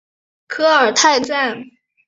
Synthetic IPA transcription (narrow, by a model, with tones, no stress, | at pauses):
kʰɤ˥ə˞˨˩t̪ʰa˥˧ɪt͡sa˥˩n